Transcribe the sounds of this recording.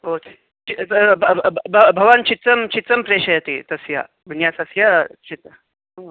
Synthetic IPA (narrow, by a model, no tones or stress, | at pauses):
oke | t͡ʃibbʱɐbʱɐʋant͡ʃit̪t͡sɐmt͡ʃit̪t͡sɐmpɾeːʂɐjɐt̪it̪ɐsja̰ | ʋinjasɐsjat͡ʃʰit̪ɐ | o